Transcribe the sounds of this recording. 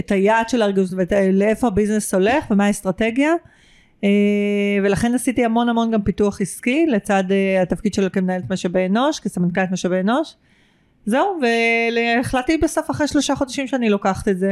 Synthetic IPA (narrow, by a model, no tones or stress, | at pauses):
etajaːdʃe̞laːʁɡanutvetleefo̞abiznesho̞le̞χvemaest̪ʁateɡja | eve̞laχenasitihamo̞namo̞nɡampituaχiskilet͡sadeatafkid̪ʃelokemnaeetmaʃabeno̞ʃkesamankalet̪maʃabeːno̞ʃ | ze̞uveleːχlatːibesofaχʁeʃlo̞ʃaχo̞daʃimʃeanilo̞kaχt̪etze